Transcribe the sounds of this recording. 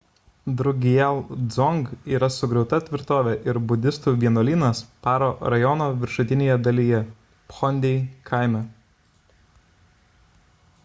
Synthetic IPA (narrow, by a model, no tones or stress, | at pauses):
d̪ɾʊɡʲɪjɛlˠd̪zɔŋɡiːɾɐsʊɡɾʲɛʊt̪ɐt̪ʲʋʲɪɾt̪oːʋʲɛʔɪɾbʊd̪ʲɪst̪uːʋʲiɛnoːlʲiːnɐspɑːɾoːɾɐjɔnoːʋʲɪɾʃʊt̪ʲɪnʲeːjɛd̪ɐlʲiːjɛ | pɔnʲd̪ʲɛɪkʰaˑɪmʲɛ